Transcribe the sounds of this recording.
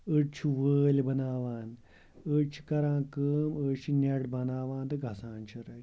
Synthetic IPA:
ət͡ʃʰiʋəːlʲbɐnaːʋaːn | ət͡ʃʰi̥kɐɾãːkəːmət͡ʃʰineɽbɐnaːʋãːnt̪ɨɡʱɐsãːnt͡ʃʰiɾɐ

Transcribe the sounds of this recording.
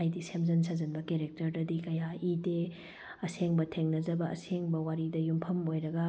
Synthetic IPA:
ajdisemzɐnsɐzɐnbɐkeɾek̚tɐɾdɐdikɐjaite | ɐseŋbɐtʰeŋnɐzɐbɐɐ̰seŋbɐwaɾidɐjumpʰɐmojɾɐɡɐ

